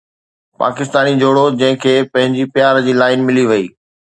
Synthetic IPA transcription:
pa̰ːkɪs̬t̪aːnid͡ʑʱoːɽod͡ʑɐ̃ɦɪ̃kʰeːpɐ̃ɦɪ̃ɲd͡ʑipjaːɾd͡ʑiːlaːɪnmɪliʋɐiː

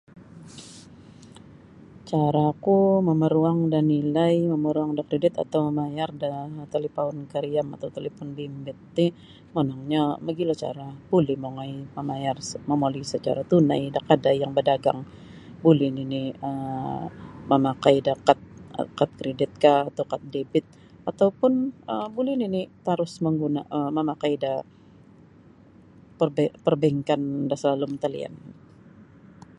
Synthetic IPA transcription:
t͡ʃaɾakuməməɾuaŋdanilajməməɾuaŋdakɾedɪt̪a̰t̪awməmajardat̪alepaʊnkəɾiama̰t̪awt̪alefɔnbimbɪt̪̚ːɪ | monaŋɲaməɡilat͡ʃa̰ɾab̥ulɛhmoŋajməmajarsməmolisət͡ʃa̰ɾat̪una̰jdakadajjaŋbədaɡa̰ŋ | bulɪniniə | məmakaidakat̪̚kat̪̚kɾedɪt̪̚kaːt̪awkat̪̚debɪt̪̚ | at̪awpʊnəbulɪninit̪aɾʊsməŋɡuna̰ʔəməmakaida | pərbpərbɛŋkandasəlalumət̪alḭa̰n

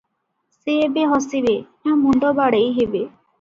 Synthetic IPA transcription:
seːbeɦɔsibe | ãmuɳɖɔbaɽejɦebe

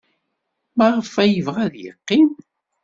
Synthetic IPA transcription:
mæʁəfæjəvʁæðjə̰qːim

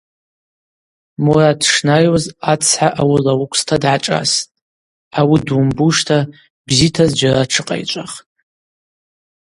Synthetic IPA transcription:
muradʂnajwozat͡sʰħaʔawilawukʷʰʼstʰadʕaʈ͡ʂʼa̰stʼ | awidwumbuʂtʰa | bzitʰazd͡ʒaraʈ͡ʂʰɨqʼa̰jt͡ʃʷʼaχtʼ

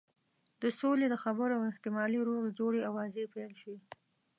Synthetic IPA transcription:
d̪̥əsoled̪əxabəɾawɪht̪ɪmɑliɾoɣed͡ʒoɽeawɑzepelʃi

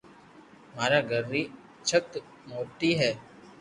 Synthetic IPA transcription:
maːɾaːɡəɾːiː | t͡ʃʰət̪ | moːʈiːɦɛː

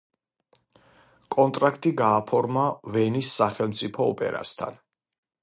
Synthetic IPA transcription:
kʼɔnt̪ʼɾakʰt̪ʼiɡaːpʰɔɾmavɛnisːaχɛlˠmt̪sʼipʰɔːpʼɛ̰ɾa̰st̪ʰa̰n

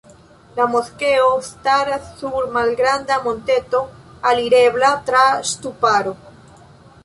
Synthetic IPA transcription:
lamoθkeost̪aɾaθuɾmalɡɾand̪amõnt̪et̪oaliɾeβlat̪ɾast̪upaɾo

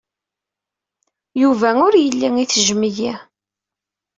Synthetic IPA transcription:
juvæʊɾjəlːiŋiθəʒmiji

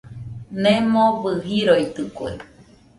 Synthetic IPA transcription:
nemobɨɦiɾojt̪ɨkwḛ

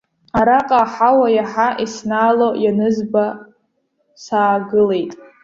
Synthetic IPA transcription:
aɾaqʼaħawajaħaʔisnaːlojanɨzba | saːɡɨle̞jtʼ

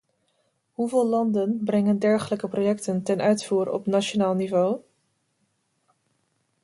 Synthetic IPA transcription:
ɦuvɪːlɑndənbrɛŋəndɛɹχələkəprojɛktəntɛnʔœɥtfuːɾɔ̰pnat͡ʃonaːlˠnivow

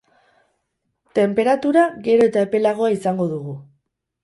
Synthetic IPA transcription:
t̪e̞mpe̞ɾat̪uɾaɣe̞ɾo̞e̞t̪aepe̞laɣ̞o̞aisaŋɡo̞ðuɣu

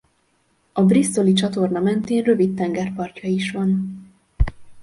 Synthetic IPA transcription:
ɒbrist̪o̞lit͡ʃɒt̪o̞rnɒmɛnt̪eːnrøvit̪ːɛŋɡɛrpɒrcɒiʃʋɒn

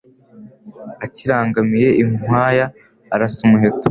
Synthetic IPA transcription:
aciɾaːŋɡamije̞ʔimwaːjaː | ɾasumuɦetu̥

